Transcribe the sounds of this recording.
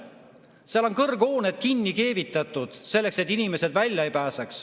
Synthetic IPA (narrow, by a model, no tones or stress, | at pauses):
seɑlo̞nkɤrɡ̥o̞ːned̪̥kinːike̞ːvit̪ːˑɑt̪ːˑud̪̥se̞lːe̞kset̪ːˑinime̞se̞d̪vælʲjɑejpæːsɑks